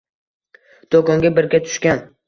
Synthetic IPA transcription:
d̪̥okɒŋɡʲabɪɾɡʲat̪ʰʊ̥ʃkʲan

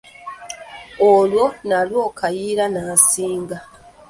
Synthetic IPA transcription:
olwo̞nalwo̞ːkʰajiːɾanaːsiːŋɡa

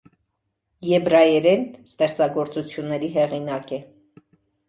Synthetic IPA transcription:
jɛbɾɑjɛɾɛnst̪ɛχt͡sɑɡɔɾt͡sut͡sʰjunːɛɾiɦɛʁinɑkɛ

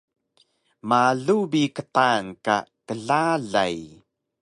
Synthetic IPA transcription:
maɮubikət̪anka̰təɮaɮa̰j

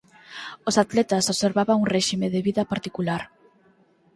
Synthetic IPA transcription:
osat̪lɛt̪asoseɾβaβaŋunreʃimeðeβiðapaɾt̪ikulaɾ

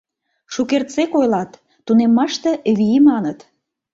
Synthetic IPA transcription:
ʃukert̪t͡sekojlɑt̪ː | unemːɑʃt̪ĕβimɑnət̪

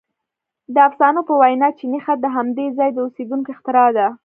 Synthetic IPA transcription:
d̪əafsɑnopəwajnɑt͡ʃinixad̪əɦamd̪ezɑjd̪əused̪uŋkoɪxt̪ɪɾɑd̪a

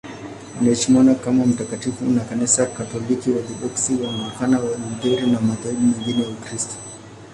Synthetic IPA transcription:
anaɛʃimanakamam̩takatifunakanisakatɔlikiwakiɗɔksiwanlukanawamidɛɾinamataiɓumɛŋɡinɛjaukɾistɔ̥

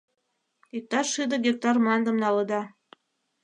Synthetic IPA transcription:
it̪ːɑʃɨd̪ɤ̆ɡʲek̚t̪ɑrmɑnd̪ɤ̆mnɑlɤ̆d̪ɑ

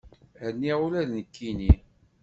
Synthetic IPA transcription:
ɾnːiʁulæðnəkːini

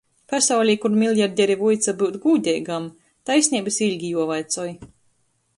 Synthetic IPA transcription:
pasawlʲikuɾmʲilʲˠjaɾd̪ʲɛɾivujt̪sabɨwt̪ɡuːd̪ʲɛjɡam | t̪ajsʲnʲiːbɨsilʲɡʲijuɔvajt̪sɔj

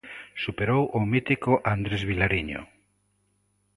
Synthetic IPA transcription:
supeɾowʔʊmit̪ikoʔand̪ɾezβilaɾiɲo̰

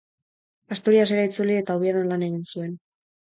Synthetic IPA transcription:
ast̪uɾiaseɾait͡sulie̞t̪auβieðo̞nlane̞ɣinsue̞n

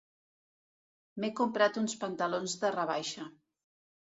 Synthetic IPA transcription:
mekumpɾat̪unspənt̪əlonzðərəβ̞ajʃə

